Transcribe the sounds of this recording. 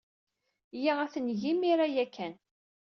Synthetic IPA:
jiʁæθənʝimiɾajækːæn

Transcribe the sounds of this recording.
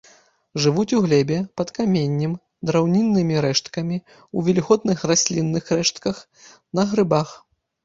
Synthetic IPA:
ʐɨvut͡sʲuɣlʲɛbʲɛpɐt̪kamʲenʲːim | d̪ɾawnʲinːɨmʲiɾɛʂt̪kɐmʲi | uvʲɛlʲiɣɔd̪nɨxrasʲlʲinːɨxrɛʂt̪kɐx | nɐɣɾɨbax

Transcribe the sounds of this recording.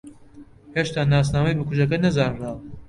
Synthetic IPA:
heʃt̪aːnaːs̬naːmɐjbɨkʰuʒɐkɐnɐzaːnraːl

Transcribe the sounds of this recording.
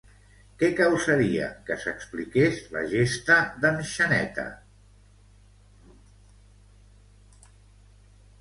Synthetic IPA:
kɛkəwsəɾiə̰kəsəksplikezlə̰ʒest̪əðənʃənɛ̰t̪ə̰

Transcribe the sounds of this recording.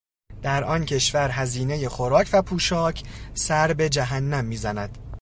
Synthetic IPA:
d̪̥æɾʔɒːncʰe̞ʃvæɾɦæziːne̞je̞xoɾɒːcʰvæpʰuːʃɒːcʰsæɾbe̞d͡ʒæɦænːæmːiːzænæd̪̥

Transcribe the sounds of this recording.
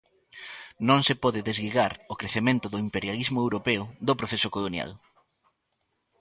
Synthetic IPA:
nõŋsepɔðɪðezɡiɣaɾokɾeθemẽnt̪ʊðoimpeɾjalizmʊewɾopeʊðopɾoθesokolonja̰l

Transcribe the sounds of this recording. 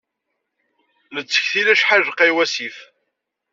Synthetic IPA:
lət͡sːə̥çθilæʃħaʒəqːiwæsif

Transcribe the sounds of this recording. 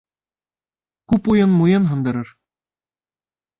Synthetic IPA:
kʉpujɤnmujɤnɦɤ̆nd̪ɤ̆ɾɤɾ

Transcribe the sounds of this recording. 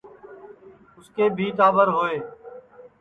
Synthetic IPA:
ʊskeːbʱiːt̪aːbəɾɦoːeː

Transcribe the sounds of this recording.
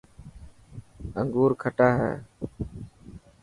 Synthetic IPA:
əŋɡuːɾkʰəʈaːɦɛ̰ː

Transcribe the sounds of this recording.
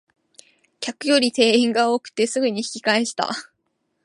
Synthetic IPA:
kʲakɯ̟jo̞ɾʲit̪e̞ːĩŋɡao̞ːkɯ̟̥t̪e̞sɨɡɯ̟ɲ̟içi̥kʲi̥kaeɕi̥t̪a̰

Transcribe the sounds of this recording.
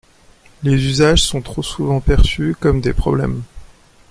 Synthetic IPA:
lezyzaʒsɔ̃t̪χosuvɑ̃pɛʁsykɔmd̪epχɔblɛ̰m

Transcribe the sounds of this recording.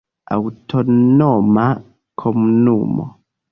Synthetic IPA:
a̰wutʰonɔma | kʰomunumɔ̰

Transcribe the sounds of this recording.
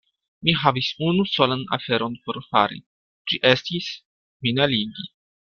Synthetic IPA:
miɦavisunuso̞lana̰fe̞ɾo̞npo̞ɾfaɾḭ | d͡ʒiʔe̞stis | minaliɡi

